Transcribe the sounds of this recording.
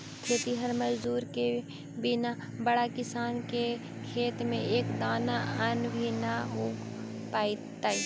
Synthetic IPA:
k̪ʰet̪iɦəɾməd͡ʒd̪uːɾke | bɪna | bɐɽakɪsaːnke | kʰeːt̪mẽʔeːkd̪aːnaɐnbʱinaɦoː | paːit̪aːiː

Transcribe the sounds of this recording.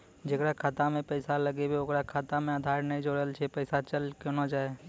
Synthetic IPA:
d͡ʒekɾakʰaːt̪amẽpəɪsaləɡebeokɾakʰaːt̪amẽaːd̪ʱaːɾnɐĩd͡ʒoːɽəlt͡ʃʰepəɪsat͡ʃəlkenad͡ʒaːe

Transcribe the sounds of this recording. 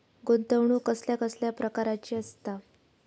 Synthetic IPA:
ɡont̪əʋɳuːkəsljakəsljapɾəkaɾat͡ɕiːəst̪a

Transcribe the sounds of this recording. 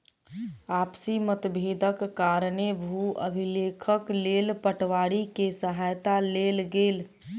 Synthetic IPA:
apsimət̪bʱed̪əkːaɾnebʱuəbʱilekʰəklelpəʈʋaɽikesəɦajt̪alelɡel

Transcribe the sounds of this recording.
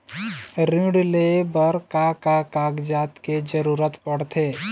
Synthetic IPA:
ɾĩːɽlebəɾkakakaːɡd͡ʒaːt̪ked͡ʒəɾuːɾət̪pəɽ̤t̪ʰeː

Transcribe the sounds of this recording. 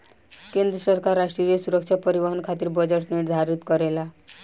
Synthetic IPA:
kend̪ɾəsəɾkaɾːaʂʈɾijəsuɾəkʂʰapəɾiʋəɦənkʰat̪iːɾbəd͡ʑeʈniʈd̪ʱaɾut̪kəɾela

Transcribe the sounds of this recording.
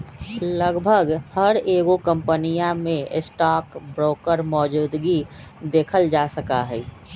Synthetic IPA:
ləɡbʱəɡhəɾeːɡokə̃mpənijamẽsʈaːkbɾoːkəɾmɔːd͡ʒuːd̪ɡid̪eːkʰəld͡ʒaːsəkaɦɛi

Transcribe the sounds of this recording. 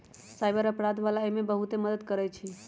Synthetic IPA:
sajbəɾəpɾad̪ʋalaemẽbəɦut̪eməd̪əd̪kəɾɛt͡ʃʰi

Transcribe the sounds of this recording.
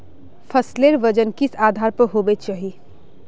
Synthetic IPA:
pʰəsleɾʋəd͡ʒənkɪsaːd̪ʱaːɾpəɾɦoːbet͡ʃaːɦi

